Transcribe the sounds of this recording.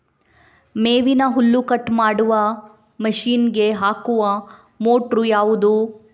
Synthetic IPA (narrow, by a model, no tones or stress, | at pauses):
meːʋinɐɦulːukɐʈːmaːɽuʋɐ | mɐʃiːnɡe̞ɦaːkuʋɐ | moːʈɾujaːʋud̪u